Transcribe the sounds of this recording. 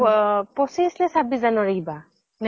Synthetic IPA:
pɔsisnɛsabizanɔɹeiba | n

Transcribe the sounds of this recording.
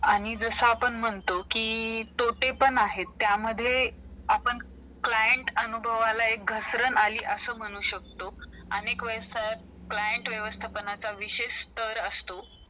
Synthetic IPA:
aɽ̃id͡zəsəapəɳm̤əɳt̪okiːt̪oʈepəɳaɦet̪ːjaməd̪ʱːjeapəɳ | klajəɳʈənubʱəʋalaek̚ɡʱəsɾənaliːʔəsəːm̤əɽ̃uːɕək̚t̪o | ənekʋəjsajt̪̚ | klajəɳʈʋjəʋəst̪ʰapənat͡saʋiɕeɕst̪əɾəst̪o

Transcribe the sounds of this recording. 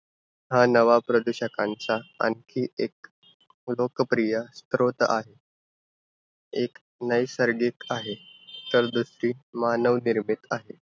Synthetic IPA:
ɦanəʋapɾəd̪uɕəkãnt͡saa̰nkʰiːek̚ | lokəpɾijast̪ɾot̪a̰ɦe | ek | nəjsəɾɡikaɦet̪əɾd̪usɾiːmanəʋniɾmit̪aɦe

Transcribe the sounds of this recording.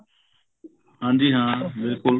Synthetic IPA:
hãːnd̪iːɦãːbɪlkʊl

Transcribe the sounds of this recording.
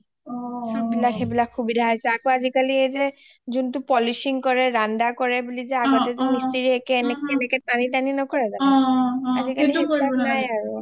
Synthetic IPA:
sɔbilakʰebilakʰːubidʱaɦajsɛakoazikaliejze | zuntupɔliʃiŋkɔɹɛɹandakɔɹebulizɛakatɛzɛmisteɹiekɛːnekenekɛtanitaninɔkɔɹɛza | azikalihebilaknajaɹu

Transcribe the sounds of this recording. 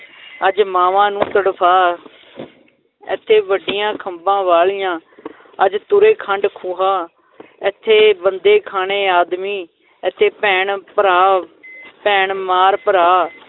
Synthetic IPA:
əd͡ʒmaːʋãːnũːt̪əɽpʰaː | ɪ̰t̪ʰːeːʋəɖɪjãːkʰəmbãːʋaːlijãː | əd͡ʒt̪ʊɾeːkʰəɳɖkʰuːɦaː | ɪt̪ʰːeːbənd̪eːkʰaːɳeːaːd̪miː | ɛt̪ʰːeːpɛːɳpəɾaː | pɛːɳmaːɾpəɾaː

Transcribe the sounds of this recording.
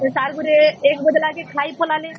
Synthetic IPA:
saɾɡuɾeekbɔd̪lakekʰajpɔlale

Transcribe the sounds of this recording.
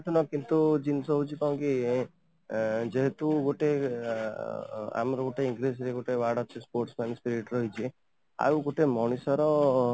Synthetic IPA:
ʈɔnɔkint̪ud͡ʒinsɔɦut͡ʃʰikaũki | d͡ʒeɦet̪uɡoʈe | a̰mɾɔɡoʈeiŋɡɾisɾeɡoʈeʋaɽɔt͡ʃʰispoɾʈsmanspiɾiʈɾɔɦit͡ʃʰi | a̰wɡoʈemɔɽ̃isɔɾɔ

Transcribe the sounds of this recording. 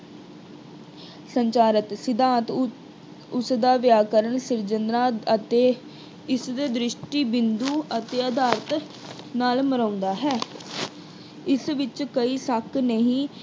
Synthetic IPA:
səɲt͡ʃaːɾət̪sɪd̪ãːt̪ | ʊsd̪aːʋjaːkəɾəɳsɪɾd͡ʒənd̪ɾaːət̪eː | ɪsd̪eːd̪ɾɪʃʈiːbɪnd̪uːət̪eːəd̪aːɾt̪ | naːlməɾãːʊnd̪aːɦɛː | ɪsʋɪt͡ʃkəiːsaknəɦĩː

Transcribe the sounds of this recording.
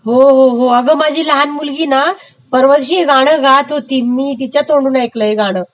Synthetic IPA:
ɦoɦoɦoəɡəmad͡ʑʱiːləɦanmulɡiːna | pəɾʋəɾɕ̬iːeɡaɽ̃əɡat̪ɦot̪imːiːt̪̬it͡ɕjat̪oɳɖuːnaekləeɡaɽ̃əː

